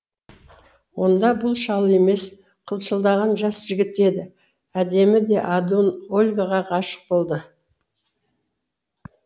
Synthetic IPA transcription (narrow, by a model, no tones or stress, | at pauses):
wo̞nd̪ɑbʊlˠʃɑlˠe̞me̞s | qʰəlˠʃəlˠd̪ɑʁɑnʒɑsʒ̥ɪɡʲɪt̪e̞d̪ɪ | æd̪e̞mɪd̪e̞ʔad̪onolʲɡaʁɑqʰɑʃə̥q̚bo̞lˠd̪ə